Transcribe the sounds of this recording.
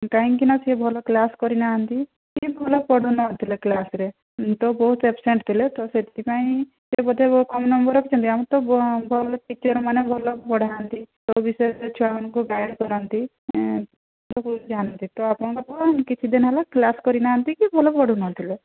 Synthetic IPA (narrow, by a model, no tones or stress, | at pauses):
kaĩkinasiebʱɔlɔklaskɔɾinaɦant̪i | kibʱɔlɔpɔɽunɔt̪ʰileklasɾe | t̪ɔbɔɦut̪epseɳʈt̪ʰilet̪ɔset̪ʰiipaĩ | d͡ʒebɔd̪ʱekɔmnɔmbɔɾɔkit͡ʃʰɔnt̪iamɔ̃t̪ɔbʱɔlɔʈikt͡ʃɔɾmanebʱɔlɔpɔɽ̤ʱaɦant̪it̪ɔbisɔeet͡ʃʰuapɔnɔ̃ŋkuɡajɽkɔɾɔnt̪i | dɔkud͡ʒanɔnt̪it̪ɔapɔɽ̃ɔ̃ŋkɔt̪ɔnkit͡ʃʰid̪enɦalaklaskɔɾinaɦant̪ikibʱɔlɔpɔɽ̤unɔt̪ʰile